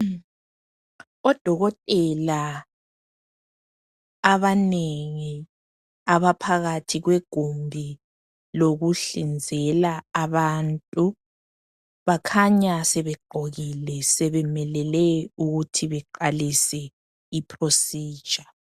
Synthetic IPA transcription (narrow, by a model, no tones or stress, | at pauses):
ɔd̥ʱɔɣɔtʼɛla | aβaneŋi | aβapʰaɣatʰiɣweɡ̥ʱumbʱi | loɣuɬind͡zʱɛlaaβantʼu | βakʰaɲasɛβɛɡ͡ǃʱoɣilɛsɛβɛmɛlɛlɛuɣutʰiβɛǃalisɛ | ipʰrosiːd̥ʒ̥ʱa